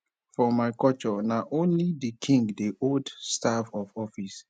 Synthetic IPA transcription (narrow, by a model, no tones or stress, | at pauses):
fɔmaɪkɔt͡ʃɔnaʔõnlidikʰĩŋɡdeʔoldstavɔfɔfis